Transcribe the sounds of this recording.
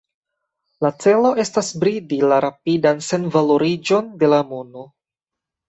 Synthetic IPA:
lat͡se̞lo̞ʔe̞stasbɾidilaɾapidanse̞nvalo̞ɾid͡ʒo̞nde̞lamunu

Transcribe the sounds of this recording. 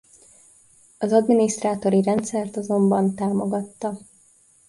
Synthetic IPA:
ɒzɒd̪miniʃt̪raːt̪o̞ɾiɾɛnt̪sɛrt̪ɒzo̞mbɒnt̪aːmo̞ɡɒt̪ːɒ

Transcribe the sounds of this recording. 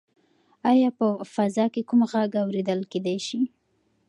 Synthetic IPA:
ajɑpəfazɑkekumɣaɡawɾed̪əlked̪ajʃi

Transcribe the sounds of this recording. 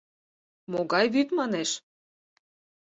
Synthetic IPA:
moɣɑjβyt̪mɑneʃ

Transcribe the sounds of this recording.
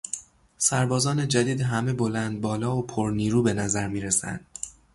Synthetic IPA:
sæɾbɒːzɒːned͡ʒæd̪iːd̪ɦæme̞bo̞lænd̪̚bɒːlɒːopʰoɾniːɾuːbe̞næzæɾmiːɾesæ̰nd̪̥

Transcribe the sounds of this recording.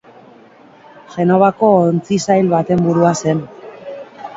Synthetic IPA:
ʝe̞no̞βako̞ːnt͡sisajlβat̪e̞mbuɾuase̞n

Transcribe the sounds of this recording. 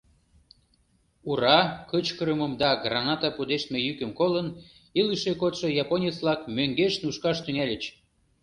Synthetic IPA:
uɾɑkət͡ɕkəɾəməmd̪ɑɡrɑnɑt̪ɑpud̪eʃt̪mejykəmkolən | iləʃekot̪ʃojɑponʲet͡slɑkmøŋɡeʃnuʃkɑʃt̪yŋælʲət͡ɕ

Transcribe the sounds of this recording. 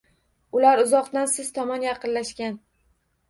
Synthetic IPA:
ʊlaɾʊzɒqt̪ansɪz̥t̪ʰɒmɒnjɑqʰɨnlaʃkʲan

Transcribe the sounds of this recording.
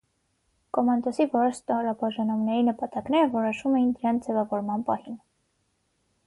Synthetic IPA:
kɔmɑnd̪ɔsivɔɾɔɾst̪ɔɾɑbɑʒɑnumnɛɾinəpɑt̪ɑknɛɾəvɔɾɔʃumɛjind̪əɾɑnt͡sʰd͡zɛvɑvɔɾmɑnpɑhin

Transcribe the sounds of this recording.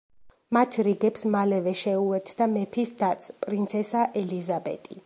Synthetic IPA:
mat̪ʰɾiɡɛpsmalɛvɛʃɛuɛɾt̪ʰd̪amɛpʰisd̪at̪sʰʼpʼɾint̪sʰɛsaʔɛlizabɛ̰t̪ʼi

